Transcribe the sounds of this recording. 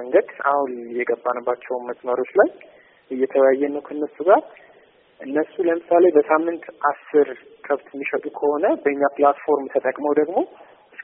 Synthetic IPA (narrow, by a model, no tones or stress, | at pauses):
ŋɡəd̪a̰hljɛɡəbːanəbːat͡ʃːɛwnməsʼməɾo̞t͡ʃlaj | ʔɨjːɛt̪ʰəwjajːɛnːəwkʰəɨnːəsuɡaɾ | ʔɨnːəsuləmɨsale̞bəsamːɨnt̪ʔasːɨɾ | kʰəβt̪mːiʃət̪ʼukʰəho̞nəbəɨɲːaplat̪fo̞ɾmt̪ʰət̪ʼəkʼməwd̪əɡmo̞ | ɨs